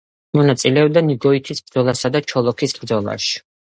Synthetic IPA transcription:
mɔnat̪sʼilɛɔb̚d̪aniɡɔit̪ʰisb̚d̪zɔlˠasad̪at͡ʃʰɔlˠɔkʰisbɾd̪zɔlˠa̰ʃi̥

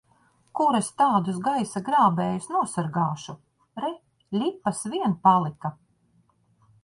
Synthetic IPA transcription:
kuɾest̪aːd̪usɡajsaɡɾaːbɛːjusnuɔsaɾɡaːʃu | ɾɛ | lʲipːasviɛnpalˠika

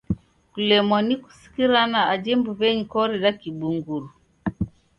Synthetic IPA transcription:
kulɛmwaniku̥si̥kiɾanaad͡ʒɛmbuvɛɲikɔɾɛɾakiɓuŋɡuɾu

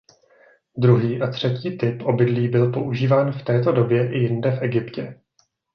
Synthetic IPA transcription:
d̪ɾuɦiːʔat̪r̝̥ɛciːt̪ɪpʔo̞bɪdliːbɪlpo̞ʔuʒiːvaːnft̪ɛːt̪o̞do̞bjɛʔɪjɪndɛfʔɛɡɪpcɛ

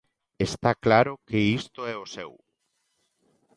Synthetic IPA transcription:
est̪aklaɾokeist̪oɛosɛw

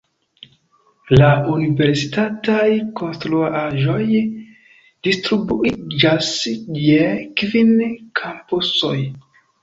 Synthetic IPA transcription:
launive̞ɾsitatajko̞nstɾuaʔaʒo̞j | d̥istɾubuid͡ʒasjekvinkʰampuso̞̰j

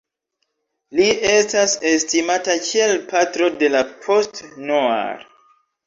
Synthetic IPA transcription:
liʔe̞stase̞stimatakʰie̞lpatɾo̞de̞lapʰo̞stnoa̰ɾ

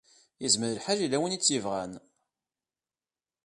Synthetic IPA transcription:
jəzməɾəlħalilːæwənit͡sːjəvʁæn

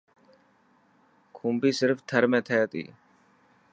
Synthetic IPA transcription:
kʰũːmbiːsɪɾft̪ʰəɾmẽːt̪ʰet̪ḭː

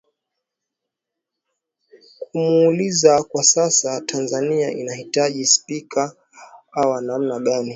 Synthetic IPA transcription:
kumuːlizakwasasatʰanzaniaʔḭnahitaʄispikʰa | awanam̩naɠani

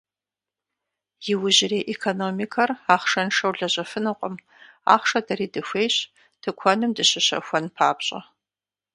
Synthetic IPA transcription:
jɪwʊʑɪreːʔekʰonomikʰɐraːχʂɐnʂɐwɮɐʑɐfɨnɨqʷʼɔm | a̰ːχʂɐdɐɾiːdɨxʷeːjɕ | tʰɨkʷʰɔnɨmdɨɕɪɕɐ̰xʷɔnpʰaːbɕʼɐ̰

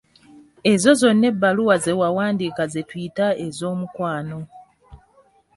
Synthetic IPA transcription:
e̞zo̞zo̞nːe̞bːaluwazewawaːndikazetwitaezo̞ːmukwaːno̞

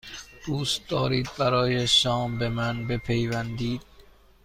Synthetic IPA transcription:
d̪̥uːst̪̚d̪ɒːɾiːd̪̚bæɾɒːjeʃɒːmbe̞mænbe̞pʰe̞jvænd̪iːd̪̥̚

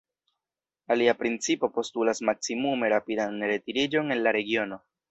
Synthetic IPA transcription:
aliapɾint͡sipo̞po̞stulasmaksimume̞ɾapidanɾe̞tiɾid͡ʒo̞ne̞nlaɾe̞ɡio̞no̞

